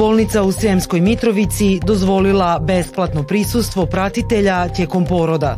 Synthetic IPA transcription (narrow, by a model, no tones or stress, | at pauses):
o̞lˠnit̪sausɾemsko̞jmit̪ɾo̞ʋit̪sid̪o̞zʋo̞lilˠabe̞splˠat̪no̞pɾisust̪ʋo̞pɾat̪it̪e̞ʎat̪je̞ːko̞mpo̞ːɾo̞d̪a